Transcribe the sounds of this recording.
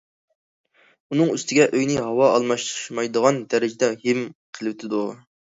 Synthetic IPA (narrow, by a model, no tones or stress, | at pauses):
unɨŋyst̪ʰɪɡʲɛʔøjnɪɦɑwɑɑlˠmɑʃt̪ɾɨʃmɑjd̪əʁɑnd̪æɾɪd͡ʒɪd̪ɛhɪmqʰəlˠwt̪ʰɪd̪u